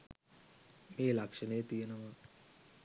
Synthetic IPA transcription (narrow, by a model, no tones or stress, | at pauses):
meːlakʂɐnəjət̪ijenɐʋa